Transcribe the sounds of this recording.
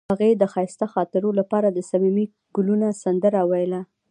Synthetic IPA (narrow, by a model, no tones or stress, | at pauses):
aɣed̪əxɑjst̪axɑt̪ɪɾolapɑɾad̪əsamimi | ɡ̥ʊlunasand̪əɾawajla